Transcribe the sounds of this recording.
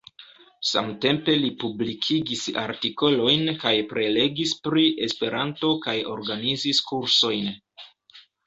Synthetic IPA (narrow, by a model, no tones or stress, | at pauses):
sa̰mte̞mpe̞lipublikʰiɡisa̰ɾtiko̞lo̞jnkajpɾʔe̞le̞ɡispɾiʔe̞spe̞ɾanto̞kajo̞̰ɾɡaniziskuɾso̞jn